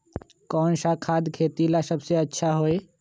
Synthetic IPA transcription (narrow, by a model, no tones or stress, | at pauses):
kɔːnsakʰaːd̪kʰeːt̪ilasəbseətːʃʰaɦoe